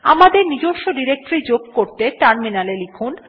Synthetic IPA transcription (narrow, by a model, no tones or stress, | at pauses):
a̰mad̪eɾnid͡ʑoʃoɖiɾek̚ʈɾid͡ʑoɡ̚koɾt̪eʈaɾminalelikʰun